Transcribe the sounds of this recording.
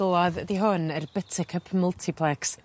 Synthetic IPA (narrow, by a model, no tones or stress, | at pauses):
lˠɔððiɦʊnərbətʰɪkʰəpʰməlˠtʰɪpʰlˠɛks